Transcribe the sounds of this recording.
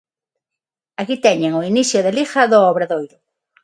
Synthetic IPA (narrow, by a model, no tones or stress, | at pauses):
akit̪ɛɲeŋʊinisjʊðelixɐðoɔβɾaðojɾʊ